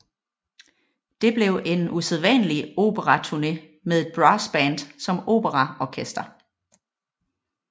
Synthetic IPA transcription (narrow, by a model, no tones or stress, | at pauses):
d̥e̝b̥le̝ʊʔe̝nuseðˠʋænlio̝̰ːb̥əʁɑt͡sʰuɐne̝ | meðˠe̝d̥̚b̥ʁɑsb̥ænd̥sɒ̽mo̝̰ːb̥əʁɑɒkʰesd̥ɐ